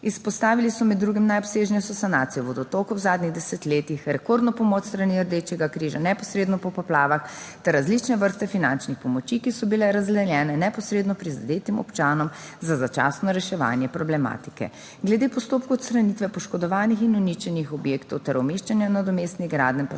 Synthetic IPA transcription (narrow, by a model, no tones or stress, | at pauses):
ispɔst̪aːʋilisɔmɛd̪ːɾuɡimnajɔpseːʒnɛjsɔsanat̪ijɔʋɔd̪ɔt̪okɔwzaːd̪niɣd̪ɛsɛt̪leːt̪ixɾɛkoɾd̪nɔpɔmɔːt͡ʃst̪ɾaniəɾd̪et͡ʃɛɡakɾiːʒa̰nɛpɔsɾeːd̪nɔpɔpɔplaːʋaxt̪ɛɾːazlit͡ʃnɛʋəɾst̪ɛfinant͡ʃnixpɔmɔt͡ʃikisɔbilɛɾazd̪lɛljɛːnɛnɛpɔsɾeːd̪nɔpɾiza̰d̪eːt̪imɔ̰pt͡ʃaːnɔmzazat͡ʃa̰snɔɾɛʃɛʋa̰ːnjɛpɾɔblɛma̰ːt̪i̥kɛ̰ | ɡlɛd̪eːpɔst̪oːp̚kuɔt̪st̪ɾanit̪ʋɛpɔʃkɔd̪ɔʋaːnixinɔnit͡ʃɛnixɔbjeːkt̪ɔwt̪ɛɾɔmeːʃt͡ʃanjanad̪ɔmeːst̪niɡɾa̰ːd̪np